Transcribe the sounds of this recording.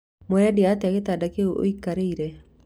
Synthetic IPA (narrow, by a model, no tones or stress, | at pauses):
mwɔɾɛdeataɣetadakeuo̰ikaɾeiɾɛ